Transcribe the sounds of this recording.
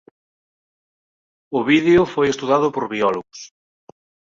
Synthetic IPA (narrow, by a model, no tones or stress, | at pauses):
ʊβiðeʊfojest̪uðaðʊpoɾβiɔloɣʊs